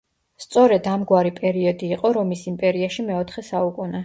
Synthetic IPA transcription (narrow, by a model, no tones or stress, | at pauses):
st̪sʼɔɾɛd̪amɡwaɾipʼɛɾiɔd̪iːqʼɔɾɔmisimpʼɛɾiaʃimɛɔt̪ʰχɛsaukʼunɛ